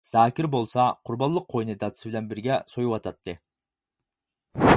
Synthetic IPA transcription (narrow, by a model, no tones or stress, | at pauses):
z̥aːkʲiɾbo̞lˠsɑqʰʊɾbɑnlˠuq̚ʰːojnɨd̪ɑt̪sɨbɪlʲɛnbɪɾɡʲɛsojuwɑt̪ʰɑt̪ːɨ